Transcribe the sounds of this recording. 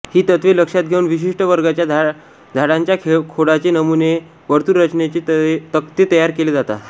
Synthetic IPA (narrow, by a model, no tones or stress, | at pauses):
hiːt̪ət̪ʋeləkʂat̪̚ɡʱeunʋiɕ̬iʂʈəʋəɾɡat͡ɕja | d̪ʱaɽãɲt͡ɕjakʰekʰoɽat͡ɕenəmune | ʋəɾt̪uːɾːət͡ɕnet͡ɕit̪əkt̪et̪əjaɾkeled͡zat̪a̰